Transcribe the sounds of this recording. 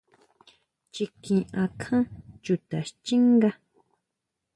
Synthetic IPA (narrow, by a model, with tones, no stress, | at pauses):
t͡ʃi˧kĩ˧ʔã˧kʰã˦t͡ʃu˧t̪a˨ʃt͡ʃi˦ŋɡa˦